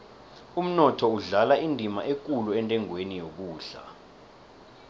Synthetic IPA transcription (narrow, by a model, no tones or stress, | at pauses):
um̩nɔtʰɔuɮalaindʱima̰ʔek̬ʼuluɛntʼɛŋwenijok̬uːɮa̰